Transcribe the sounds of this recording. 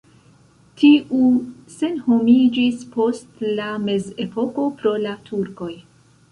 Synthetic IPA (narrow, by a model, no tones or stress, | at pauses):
tiʔuse̞nho̞mid͡ʒispo̞stlame̞ze̞po̞ko̞pɾo̞latʰuɾko̞j